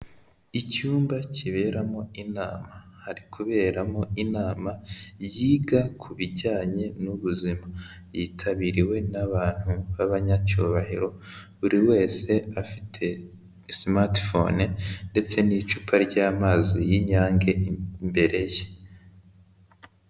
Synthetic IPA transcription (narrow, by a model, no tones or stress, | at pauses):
icuːmbacʰiβe̞ɾamo̞inaːma | haɾikʰuβe̞ːɾamo̞inaːmajiːɡakʰuβiɟaːɲe̞nuβuzima | jiːtʰaβiːɾiwe̞naβaːn̥huβaβaɲacuβahiɾo̞βuɾiwe̞ːse̞afitʰe̞ | simati̥fonende̞t͡se̞nit͡ʃupʰaɾɟaːmaːzijiɲaːŋɡe̞mbe̞ɾe̞je